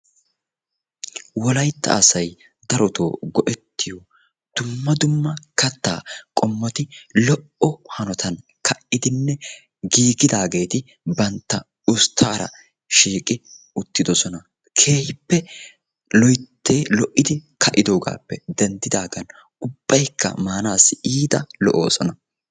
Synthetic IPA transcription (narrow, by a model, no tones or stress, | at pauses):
wɔlɐjt̪ːɐ̰ːsɐj | d̪ɐɾɔt̪o̰ːɡɔʔɛt̪ːɪjɔ | d̪̥ʊmːɐd̪ʊmːɐkɐt̪ːa̰ːkʼɔmːɔt̪ɪlɔʔɔhɐnɔt̪ʰɐnkʰɐʔɪd̪ɪnːɛ | ɡiːɡɪd̪aːɡe̞ːt̪ɪ | bɐnt̪ːɐ | ʊst̪ʰːaːɾɐ̰ | ʃiːkʼɪ | ʊt̪ːɪd̪ɔsɔnɐ | kʰeːhɪpːɛ | lɔjt̪ʰːeːlɔʔːɪd̪ɪkʰɐʔɪd̪o̞ːɡa̰ːpːɛd̪ɛnd̪ɪd̪aːɡɐn | ʊb̥ːɐjkʰːɐ̰maːnaːsɪiːd̪ɐlɔʔoːsɔnɐ